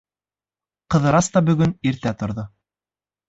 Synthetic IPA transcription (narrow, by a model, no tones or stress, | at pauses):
qɤ̆ðɤ̆ɾɑst̪ɑbɵ̆ɡɵniɾt̪æt̪ŏɾðo